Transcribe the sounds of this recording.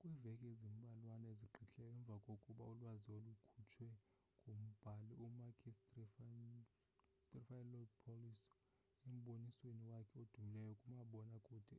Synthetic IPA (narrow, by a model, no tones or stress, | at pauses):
kʼwivɛkʼezemiɓalwanaeziɡ͡ǃʱiɬʼɛjɔɛɱb̪vʱakʼokʼuɓa̰ulwaziolukʰut͡ʃʰwɛ | ŋɡʱom̩b̥ʱaliumakʰistf | tʼrifajlɔdpʰolis | em̩ɓonisweniwakʰɛod̥ʱumilɛjɔkʼumaɓɔnakʼuːd̥ʱɛ